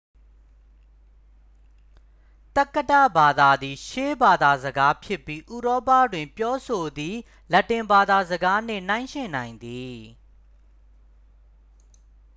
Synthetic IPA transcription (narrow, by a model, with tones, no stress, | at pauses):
t̪a˦kːə˦tä̰˦˨ba˨d̪a˨d̪i˨ʃe˦ba˨d̪a˨zəɡa˦pʰjɪ˦pːji˦ʔu˨ɾɔ˦pä˦˨dwɪ̃˨mpjɔ˦so˨d̪i˨ | lɐ˦tːɪ̃˨mba˨d̪a˨zəɡa˦n̥ɪ̰̃˦˨n̥ã˦ɪ̃ʃɪ̃˨nã˨ɪ̃nd̪i˨